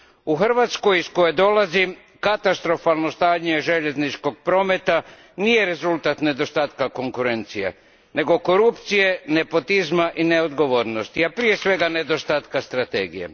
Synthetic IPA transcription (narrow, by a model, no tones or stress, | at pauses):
uxr̩ʋaːt̪sko̞jisko̞jed̪o̞lazi | kat̪ast̪ɾo̞falˠno̞st̪aːɲeʒe̞ʎe̞znit͡ʃko̞ɡ̚pɾo̞ːme̞t̪a | nije̞ɾe̞zulˠt̪at̪ne̞d̪o̞st̪aːt̪kako̞ŋkuɾe̞nt̪sijḛ | ne̞ɡo̞ko̞ɾupt̪sije̞ne̞po̞t̪izmaʔineod̪ɡo̞ʋoːɾnost̪iapɾije̞sʋe̞ɡane̞d̪o̞st̪aːt̪kast̪ɾat̪ḛːɡijḛ